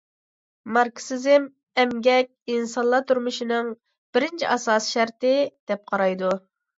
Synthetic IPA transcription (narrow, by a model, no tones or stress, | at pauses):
mɑɾksɪzɪm | ɛmɡʲɛk̚ʲinsɑnlˠɑt̪ʰuɾmuʃinɨŋ | b̥ɪɾɪnt͡ʃʰiʔɑsɑːsi̥ʃæɾt̪ɪd̪̥ɛp̚qʰɑɾɑjd̪u